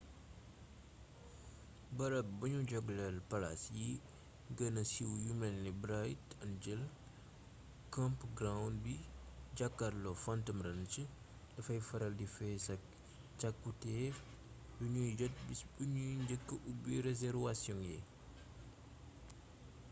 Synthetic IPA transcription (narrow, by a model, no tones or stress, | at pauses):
bɐɾɐb̚bɐɲuɟɔɡlɐlpɐlasji | ɡənɐsiwjumɛnlibɾajtɐnd͡ʒɛl | kɐmpɡɾawndbid͡ʒakːaɾlɔfɐntɐmɾɐnt͡ʃə | dɐfɐjfɐɾɐldifɛsɐk̚ | t͡ʃɐkːutɛf | biɲujɟɔt̚bibuɲuɲɟəkːəʔubiɾezɛɾvasjɔŋjɛ̰